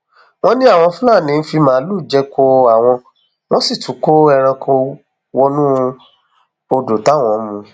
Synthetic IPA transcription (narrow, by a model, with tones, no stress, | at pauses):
w̃ɔ̃˦nĩ˦a˦˨w̃ɔ̃˧fũ˦la˦˨nĩ˨˧˦fi˧mãː˦lu˦˨d͡ʒɛ˦kʰo˧a˨w̃ɔ̃˧ | w̃ɔ̃˦si˦˨tu˨˦ko˦ɛ˧ɾ̃ã˧kʰo˧ | wɔ˧nũ˦˧ | o˧do˨ta˨˦˨w̃ɔ̃˨˦mũ˧